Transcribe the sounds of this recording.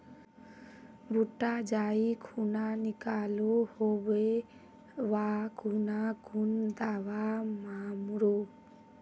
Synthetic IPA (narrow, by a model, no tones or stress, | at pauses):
bʱuʈːad͡ʒaikʰunanikalohobe | waɡʰʱunaɡʱund̪awamamɾo